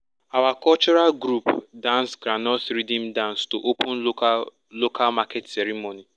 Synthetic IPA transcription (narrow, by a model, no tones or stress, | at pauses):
awakɔlt͡ʃɔɾalɡɾupdãnsɡɾanɔsɾidĩmdãnstoʔokũn̩ | lokʰalmaketseɾimoni